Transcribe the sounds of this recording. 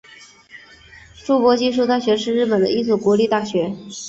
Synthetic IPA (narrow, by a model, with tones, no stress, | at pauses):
ʈ͡ʂu˥˩pwɔ˧˥t͡ɕi˥ʂ̬u˥˧t̪a˥˩ɕɥɛ˧˥ʂɻ̩˥˧ɻɻ̩˥˩pə˨˩d̪ə̰˧ʔi˥t͡sʰwɔ˥˩kwɔ˧˥li˥˧t̪a˥˩ɕɥɛ˧˥